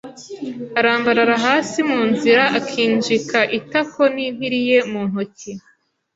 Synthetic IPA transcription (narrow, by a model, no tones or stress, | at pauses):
aɾaːmbaɾaɾaɦaːsimuːnziɾaʔakʰiːnd͡ʒikʰaʔitakʰo̞niːniɾije̞muːn̥hoci